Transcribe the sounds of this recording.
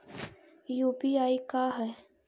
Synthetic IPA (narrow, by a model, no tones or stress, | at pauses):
juːpiaːikaɦɛː